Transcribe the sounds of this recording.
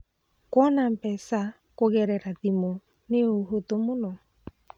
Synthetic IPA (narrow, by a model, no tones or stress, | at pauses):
kɔnampɛsa | koɣɛɾɛɾaðimo | neoɦotomonɔ